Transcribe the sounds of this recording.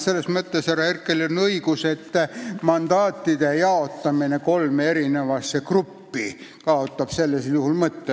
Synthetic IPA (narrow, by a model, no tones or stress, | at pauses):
se̞lːesmət̪ːesherːɑherkːˑelonːɤiɡuse̞t̪ːmɑnd̪̥ɑːt̪ːˑid̪̥ejɑo̞t̪ːɑmine̞ko̞lmee̞ɾine̞vɑsːekrupːikɑo̞t̪ːɑb̥se̞lːeseljuhulmɤt̪ːe